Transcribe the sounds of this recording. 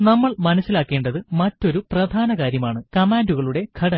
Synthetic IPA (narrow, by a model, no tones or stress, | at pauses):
nɐmːɐɭmɐnɐsːilaːkːe̞ːɳɖɐðɨmɐtːo̞ɾuprɐd̪ʱaːnɐkaːɾjɐmaːɳɨkɐmaːnduɣɐɭuɽe̞ɡʰʱɐɽɐ